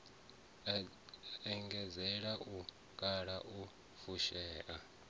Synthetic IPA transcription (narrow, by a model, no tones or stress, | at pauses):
ɛŋɡɛd͡zɛɺaʔu | kʼaɺaʔu | fuʃɛːʔa